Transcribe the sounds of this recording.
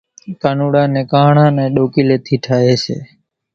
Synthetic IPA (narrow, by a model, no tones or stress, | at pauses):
kanuɽanekãɦɳãːneɗoːkileːt̪ʰiːʈʰaeːt͡ʃʰḛː